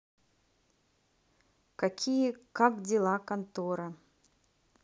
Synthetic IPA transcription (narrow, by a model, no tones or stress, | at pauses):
kakʲijɛkakdʲɪlˠakɐnt̪oɾɐ